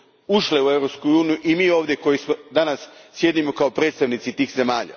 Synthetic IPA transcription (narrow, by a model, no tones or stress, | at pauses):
uʃleue̞ʋɾopskuuːnijuʔimiːo̞ːʋd̪je̞ko̞jismo̞d̪anasːje̞d̪imo̞kaopɾe̞t̪st̪aʋnit̪sit̪iːxze̞maːʎa̰